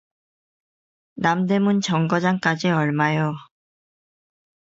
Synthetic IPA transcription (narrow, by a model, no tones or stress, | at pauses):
namde̞munt͡ɕʌŋɡʌd͡ʑaŋk͈ad͡ʑiʌɭmajo